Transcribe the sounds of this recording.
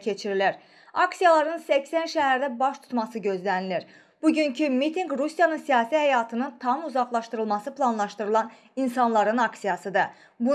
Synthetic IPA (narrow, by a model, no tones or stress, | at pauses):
cʰe̞t͡ʃʰiɾiliɾ | ɑksijɑlˠɑɾɯnsæcsænʃæɦæɾd̪æbɑʃt̪ʰu̥t̪mɑsɯɟø̞zlæniliɾ | b̥uɟyncʰymit̪ʰiŋɡɾusjɑnɯnsijɑːsihæjɑːt̪ʰɯnɯnt̪ʰɑmuzɑχlˠɑʃt̪ɯɾɯlˠmɑsɯpʰlˠɑnlˠɑʃt̪ɯɾɯlˠɑn | insɑnlˠɑɾɯnɑksijɑsɯd̪ɯ | bu